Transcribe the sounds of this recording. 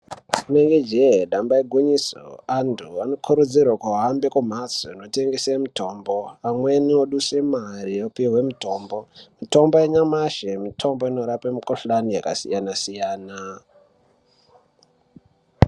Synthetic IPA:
uneŋɡed͡ʒeɗambaiɡʱuɲiso̰antʰuano̞kʰuɾud͡zirwakuɦambe̞kum̤at͡soino̞te̞ŋɡesemito̞ːmbo̞amwe̞nioɗuse̞mariopiiwe̞mito̞ːmbo̞mito̞mboeɲamaʃemitʰo̞mbo̞ino̞ɾapemikoɬlanijaka̰sijanasijaːna

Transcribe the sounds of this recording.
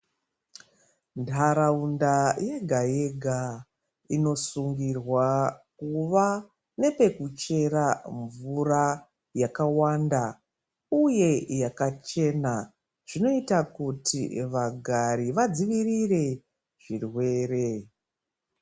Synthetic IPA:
ntʰaɾaundaje̞ɡʱaje̞ɡʱa | ino̞suŋɡirwakuʋa | ne̞pe̞kut͡ʃe̞raɱvura | jakawanda | uje̞jakat͡ʃe̞na | ʐ̥ino̞itakutḭʋaɡʱaɾiʋad͡ziʋirire̞ | ʐ̥irwe̞ːre̞

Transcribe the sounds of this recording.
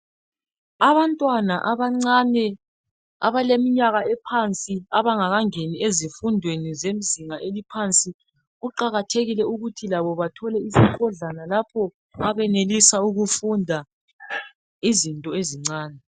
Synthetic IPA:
aβantʼwanaʔaβaŋ͡ǀanɛ | a̰βalemiɲaɣaɛpʰant͡sʼiaβaŋaɣaŋeniezifundʱwenizem̩ziŋaʔelipʰant͡sʼi | ɣuǃaɣatʰeɣilɛuɣutʰilaβɔβatʰɔlɛisikʰɔɮanalapʰɔ | aβɛnelisauɣufundʱa | izintʼɔeziŋ͡ǀaːnɛ

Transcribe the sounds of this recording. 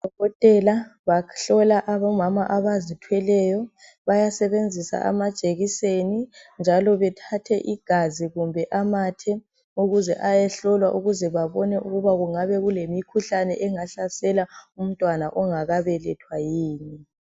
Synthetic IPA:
d̥ʱɔɣɔtʼɛlaβaɬɔlaʔaβɔmamaʔaβazitʰwɛlɛjɔ | βajasɛβend͡zʱisa̰ʔa̰mad̥ʒ̥ʱʼeɣisenind͡ʒʱalɔβɛtʰatʰɛʔiɡ̥ʱaziɣumbʱɛʔamatʰɛ | uɣuzɛʔajɛɬɔlwaʔuɣuzɛβaβɔnɛʔuɣuβaɣuŋaβɛɣulemikʰuɬanɛʔɛŋaɬasɛlaum̩tʼwanaʔɔŋaɣaβɛlɛtʰwajiːni

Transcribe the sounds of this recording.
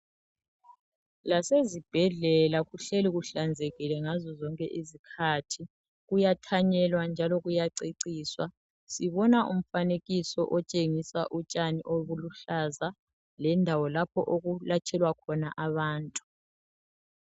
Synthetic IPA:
lasezib̥ʱɛɮɛlaɣuɬeliɣuɬand͡zʱeɣilɛŋazɔzɔŋkʼɛʔizikʰatʰi | ɣujatʰaɲɛlwand͡ʒʱalɔɣujaǀiǀiːswa | siβɔnaʔṵm̩faneɣisɔ̰ʔɔt͡ʃʼeŋisa̰ʔut͡ʃʼaniʔoβuluɬaza | lɛndʱawɔlapʰɔʔoɣulat͡ʃʼʰɛlwakʰɔnaʔaβaːntʼu

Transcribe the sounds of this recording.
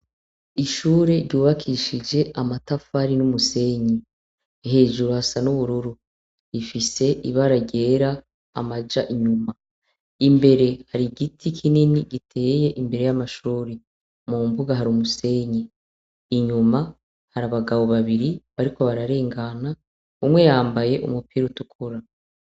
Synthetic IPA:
iʃuːɾe̞ɾɟuːβakʰiʃid͡ʒe̞ʔamatafaɾinumuse̞ːɲe | ɦe̞ːʒuɾuhasanuβuɾuɾu | ifise̞ʔiβaɾaɟe̞ːɾaː | mad͡ʒaʔiɲuma | imbe̞ɾe̞haɾiɡitʰikʰininiɡitʰe̞ːje̞ʔimbe̞ɾe̞jamaʃuːɾi | mumbuɡaɦaɾumuse̞ɲeː | ɲuma | haɾaβaɡaβo̞βaβiɾiβaɾiko̞βaɾaɾe̞ːŋɡana | umwe̞jaːmbaje̞ʔṵmupʰiːɾutukʰuɾa

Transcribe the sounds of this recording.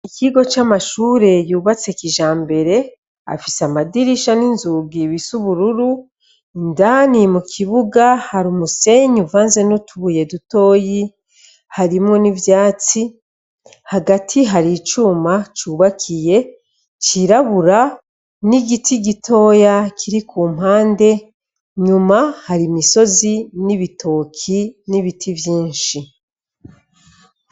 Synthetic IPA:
ikiɡo̞t͡ʃamaʃuːɾe̞juːβat͡se̞kiʒaːmbe̞ɾe̞ | a̰fisamadiɾiʃaninzuɡiβisuβuɾuɾu | indanimukʰiβuɡahaɾumuse̞ɲuvaːnze̞notʰuβuje̞duto̞ːji | haɾimŋo̞nivjaːt͡si | haɡatʰiɦaɾit͡ʃuːmat͡ʃuːβakʰije̞ | t͡ʃiɾaβuɾa | niɡitiɡitʰo̞ːjakʰiɾikʰuːm̥haːnde̞ | ɲumahaɾimiso̞ziniβitʰo̞ːkʰiniβitʰivjiːnʃi

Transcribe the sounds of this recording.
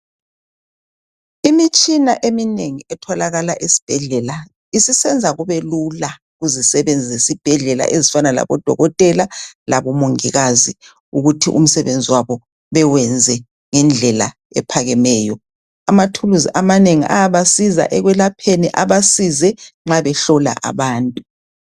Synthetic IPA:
imit͡ʃʼinaʔemineŋiɛtʰɔlaɣalaʔesi̥b̥ʱɛɮɛla | isisɛnd͡zʱaɣuβelula | ɣuzisɛβɛnd͡zʱiesib̥ʱɛɮɛla̰ʔezifanala̰βɔd̥ʱɔ̰ɣɔtʼɛlalaβɔmoŋiɣazi | uɣutʰiʔṵm̩sɛβend͡zʱiwaβɔ | βɛwɛnd͡zʱɛ | ŋɛnd͡ɮʱɛla̰ | ɛ̰pʰaɣɛmɛːjɔ | amatʰuluziʔamaneŋiʔaaβasiza̰ʔɛɣwɛlapʰeniʔaβasizɛŋ͡ǁaβɛɬɔla̰ʔa̰βaːntʼu̥

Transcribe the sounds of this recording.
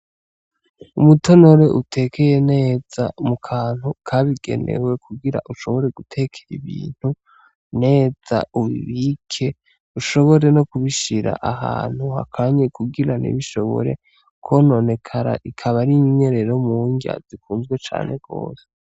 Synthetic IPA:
umuto̞no̞ɾe̞ʔutʰe̞ke̞je̞ne̞ːz̥aumukʰaːn̥hukʰaβiɡ̥e̞̰ne̞̰we̞kʰuɡiɾa̰ʔuʃo̞βo̞ɾe̞ɡ̥utʰe̞kʰeɾiβḭːn̥hu | ne̞ːz̥a̰uwḭβikʰe̞ | uʃo̞βo̞ɾe̞no̞kuβiʃiɾa̰ʔaɦa̰ːn̥huha̰kʰaɲekuɡiɾanḭβiʃo̞βo̞̰ɾe̞̰ | kʰono̞ne̞kʰaɾa̰ʔikʰaβaɾiɲiɲe̞ɾeɾomuːɲɡa̰zikuːnzɡwe̞t͡ʃa̰ːne̞̰ɡ̥o̞̰ːse

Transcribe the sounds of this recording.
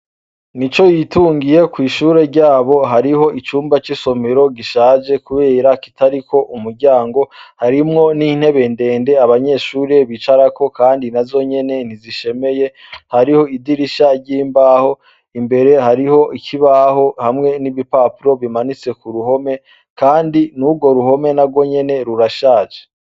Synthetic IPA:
nit͡ʃo̞jituːŋɡije̞kwiːʃuːɾe̞ɾɟaːβo̞ɦaɾiɦo̞ʔit͡ʃuːmbat͡ʃiso̞meɾo̞ɡiʃaːd͡ʒe̞kuβe̞ːɾaki̥tʰaɾiko̞ʔumuɾɟaːŋɡo̞haɾimŋo̞nin̥he̞βe̞nde̞ːnde̞aβaɲe̞ʃuːɾeβit͡ʃaɾako̞kaːndinazo̞ɲe̞ne̞n̥iziʃe̞me̞je̞ | haɾiho̞idiɾiʃaɟiːmbaho̞ | imbe̞ɾe̞haɾiho̞ʔikʰiβaɦo̞hamŋe̞niβipapuɾo̞βimanit͡se̞kuɾuho̞me̞ | kaːndinuɡo̞ɾuho̞me̞naɡwo̞ɲe̞ne̞ɾuɾaʃaːʒe

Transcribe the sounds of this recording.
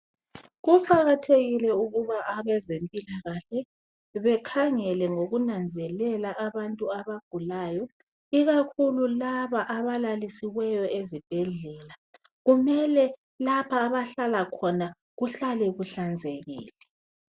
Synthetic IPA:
ɣufʰaɣatʰeɣilɛuɣuβaʔaβɛzempʼilaɣaɬɛ | βɛkʰaŋɛlɛŋoɣunand͡zʱɛlɛlaʔaβantʼuaβaɡ̥ʱulaːjɔ | iɣakʰululaβaʔaβalalisiwɛjɔezib̥ʱɛɮɛːla | ɣumɛlɛ | lapʰaːβaɬalakʰɔna | ɣuɬalɛɣuɬand͡zʱeɣḭːlɛ

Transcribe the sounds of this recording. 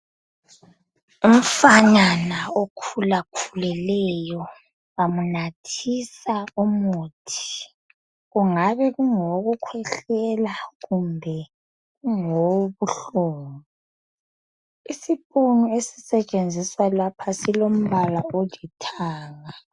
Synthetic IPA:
um̩faɲanaokʰulakʰulɛlɛjɔ | amunatʰisaumuːtʰi̥ | ɣuŋaβɛɣuŋoɣukʰwɛɬɛlaɣumbʱɛ | ɣuŋoβuɬuːŋu | isipʼonuesi̥sɛt͡ʃʼend͡zʱiswalapʰasilom̩βalaolitʰaːŋa

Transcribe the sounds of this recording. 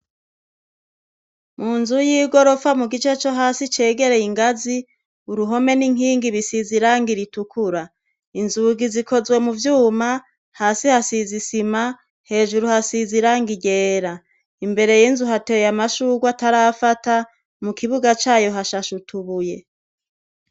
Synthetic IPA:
muːnzujiːɡo̞ɾo̞famuɡit͡ʃe̞t͡ʃoɦaːsit͡ʃe̞ːɡe̞ɾe̞jiŋɡazi | uɾuɦo̞me̞niŋ̥hiːŋɡiβisiziɾaːŋɡiɾitukʰuɾa | inzuɡizikʰo̞zwe̞muvjuːma | haːsihasizisima | he̞ːʒuɾuhasiziɾaːŋɡiɟe̞ːɾa | imbe̞ɾe̞jinzuɦatejamaʃuːɡwataɾafata | mukʰiβuɡat͡ʃaːjo̞ɦaʃaʃutuβuje̞

